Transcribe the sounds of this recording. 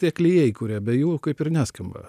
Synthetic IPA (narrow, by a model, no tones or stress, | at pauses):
t̪ʲiɛklʲɪjɛjikʊːɾʲɛːbʲɛjuːkɐɪpɪɾnʲæsʲkɐmbɐ̰